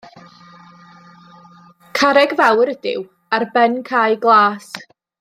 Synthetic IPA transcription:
kʰaɾɛɡvawɾədɪ̰w | arbɛnkʰajɡlˠaːs

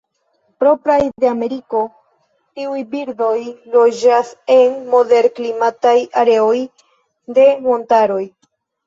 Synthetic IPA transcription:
pɾo̞pɾajd̪e̞ame̞ɾiko̞ | tiujbiɾdo̞jlo̞d͡ʒase̞nmo̞de̞ɾklimatajaɾe̞o̞j | de̞mo̞ntaɾo̞j

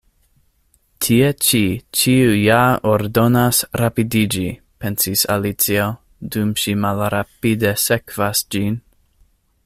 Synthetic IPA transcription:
tʰiet͡ʃit͡ʃiujaoɾdo̞nasɾapidid͡ʒi | pensisa̰lit͡sio | dumʃimalɾapidesekv̥asd͡ʒin

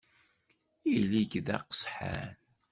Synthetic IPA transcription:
iliɡðæ̰qə̥sħa̰n

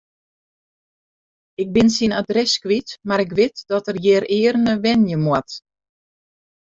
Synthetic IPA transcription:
ɪk̚bɪnsinadrɛskʋitmaɾɪk̬ʋɪtd̥ɔtərjɪːɾɪːərnəʋɛnjəmwat

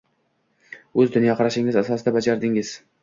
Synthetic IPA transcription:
ɵzd̪ʊnjɒqʰɑɾaʃɪŋɪzasɒsɪd̪abad͡ʒaɾd̪ɪŋɪz̥

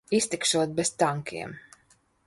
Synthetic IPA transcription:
ist̪ikʃuɔt̪̚bɛst̪aŋkḭɛm

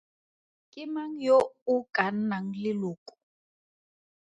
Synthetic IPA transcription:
kʼɪmaŋ̩joukan̩naŋ̩lɪlʊːkʼu̥

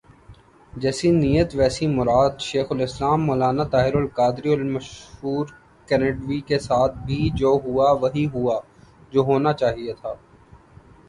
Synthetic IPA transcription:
d͡ʒɛːsinijət̪ʋɛːsimʊɾaːd̪ʃeːxʊlɪslaːmːoːlaːnat̪aːɦɪɾʊlkaːd̪ɾiʊlmɐʃɦuːɾ | kɛneːɖʋikesaːt̪̚ʰbʱid͡ʒoːɦuaʋɐɦiɦua | d͡ʒoːɦoːnat͡ʃaːɦiet̪ʰaː

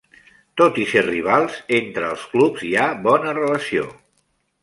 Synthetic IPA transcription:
t̪ot̪iseriβ̞alˠzent̪ɾəːlˠsklupziaβɔnərələsio

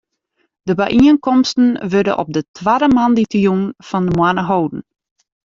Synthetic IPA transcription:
d̥əbɛʔiənkɔmstən̩ʋødə̰ʔɔ̰p̚dətʰʋadəmanditjunfɔndəmwanəɦowdn̩

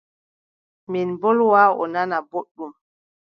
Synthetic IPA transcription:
minbɔlwaːɔ̰nanaboɗːum

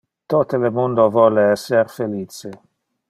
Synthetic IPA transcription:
t̪ot̪elemond̪ovɔlːeɛsːerfeliːt͡ʃe

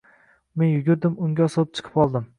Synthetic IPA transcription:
menjʊɡʲʊɾd̪ɪmʊŋɡʲasɒlˠɪp̚t͡ʃʰɨ̥qʰɨ̥pɒlˠd̪ɪm

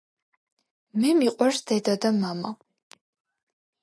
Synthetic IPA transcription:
mɛmiqʼɐrsd̪ɛd̪ɐd̪ɐmamɐ

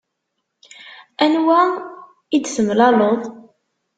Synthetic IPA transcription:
ænwæ | id̪səmlɑloðˤ

